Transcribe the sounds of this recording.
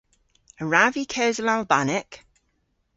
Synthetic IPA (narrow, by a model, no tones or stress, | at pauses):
əɹavikʰɛːzəlalˠbanɪk